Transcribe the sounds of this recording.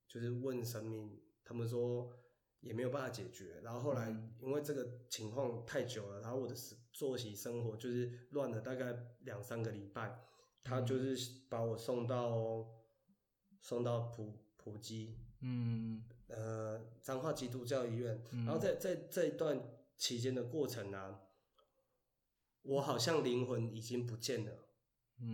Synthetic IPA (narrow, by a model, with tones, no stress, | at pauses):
t͡ɕjo˥˧ʊʂ̬ɻ̩˥˧wə˥˨nʂə˦˥ŋmi˥˩ŋt̪ʰa˥mə˨nʂ̬wɔ˦˥ | jɛ˨˩me˧˥jba˥˩fa˧t͡ɕjɛ˨˩t͡ɕɥɛ˧˦na˨˦xo˥˧xo˥˩la˧˦ɪi˦˥nwe˥˧ɪʈ͡ʂɤ˥˩ɡə˩t͡ɕʰi˧˥ŋkʰwɑ˥˧ŋt̪ʰa˥˩ɪt͡ɕjo˨˩ʊlə˦t̪ʰa˥wɔ˨˩d̪ə˦˧˥t͡swɔ˥˩ɕi˨˥˦ʂə˦ŋxwɔ˧˥t͡ɕjo˥˧ʊʂɻ̩˥˩lwa˥˨nlə˩t̪a˥˧ka˥˩ɪljɑ˨˩ŋsa˦nɡə˨li˨˩pa˥˩ɪ | t̪ʰa˦t͡ɕjo˥˧ʊʂɻ̩˥˩pa˨˥wɔ˨˩sɔ˥˧ŋt̪ɑ˥˨ʊ | sɔ˥˧ŋt̪ɑ˥˩ʊpʰu˨˩pʰu˨˩t͡ɕi˦ | ə˧t͡sa˥ŋxwa˥˧t͡ɕi˥t̪̬u˥˧˩t͡ɕjɑ˥˧ʊi˧ɥɛ˥˨na˨˦nho˥˧t͡sa˥˧ɪt͡sa˥˧ɪt͡sə˥˧i˧˥t̪wa˥˨nt͡ɕʰi˧˦˥t͡ɕjɛ˦˥nd̪ə˨kwɔ˥˩ʈ͡ʂʰə˨˦ŋlə˨ | wɔ˨˦xɑ˨˩ʊɕ̬jɑ˥˨˩ŋli˧˥ŋxwə˧˦ni˨˩t͡ɕi˦ŋp̬u˨˦t͡ɕjɛ˥˩nlə˩